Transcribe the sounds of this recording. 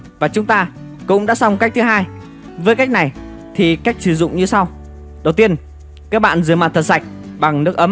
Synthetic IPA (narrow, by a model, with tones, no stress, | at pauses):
vaː˨˩t͡ɕʊ˨˦ŋ͡mt̪aː˧ | kʊ̰˧˥ŋ͡mɗa̰ː˧˥sa˧wŋ͡mka˦˥k̟̚t̪ɨ˨˦ɦaː˧j | vəː˨˦jka˦˥jk̟̚na˨˩j | t̪ʰi˨˩ka˦˥jk̟̚sɨ˧˨˩zʊ̰˧˨ŋ͡mɲɨ˧sa˧w | ɗə˨˩wt̪i˧ən | kaː˦˥k̚ɓa̰ː˧˨nzɨ˨˩əma̰ː˧˨˩nt̪ʰə˨˩sa˨˩jk̟̚ɓa˨˩ŋnɨ˦˥ək̚ʔə˨˦m